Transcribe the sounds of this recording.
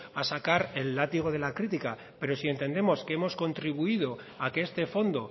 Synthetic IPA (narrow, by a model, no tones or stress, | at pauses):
asakaɾe̞lːat̪iɣ̞o̞ð̞e̞lakɾit̪ika | pe̞ɾo̞sie̞nt̪e̞nd̪e̞mo̞ske̞emo̞sko̞nt̪ɾiβ̞uið̞o̞ | akeest̪e̞fo̞nd̪o̞